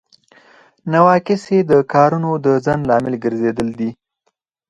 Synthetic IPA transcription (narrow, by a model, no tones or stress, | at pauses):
nawɑkɪsed̪əkɑɾunod̪əzanlɑmɪlɡəɾzed̪əld̪i